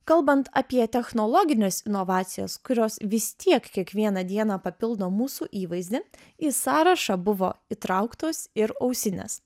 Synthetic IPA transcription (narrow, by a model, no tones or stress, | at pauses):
kɐlˠbɐnt̪ɐ̰pʲiɛt̪ʲɛxnɔlˠɔɡʲɪnʲeɛːsɪnɔʋɑːt̪sʲɪjo̰ːskʊɾʲoːsʋʲɪst̪ʲiɛkkʲiɛkʋʲiɛnɐd̪ʲiɛnɑːpɐpʲɪlˠd̪oːmuːsuːʔiːʋɐɪzʲd̪ʲɪ | isɑːɾɐʃɑbʊʋo̰ːit̪ɾɑʊkt̪oːsɪɾɐʊsʲɪnʲḛs